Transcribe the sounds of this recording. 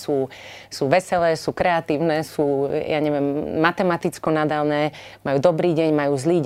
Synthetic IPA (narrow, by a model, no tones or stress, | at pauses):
suːsuːʋɛsɛlɛːsuːkɾɛat̪iːʊnɛːsuːjaɲɛʋɪɛmːat̪ɛmat̪it͡skɔnad̪alnɛːmajuːd̪ɔbɾiːɟɛɲmajuːzliː